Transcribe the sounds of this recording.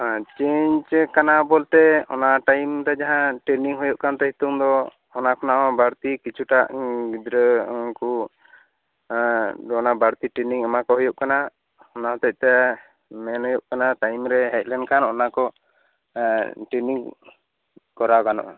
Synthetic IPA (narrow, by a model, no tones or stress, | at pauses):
at͡ʃeɲt͡ʃkanabɔlt̪ɛɔ̰naʈajmt̪ad͡ʒaɦãʈɾeniŋɦɔjuʔkant̪ɛɦit̪umd̪ɔː | nakɔnaʔɔbaɾt̪ikit͡ʃʰuʈaʔɡid̪ɾəku | d̪ɔnabaɾt̪iʈɾeniŋamakɔɦɔjuʔkana | ɔnaɔt̪ɛc̚t̪ɛ | mɛnɦɔjuʔkanaʈajmɾɛɦɛt̪̚ˀlɛnkanɔnakɔ | ʈɾeniŋ | kɔɾakanɔ̰ʔ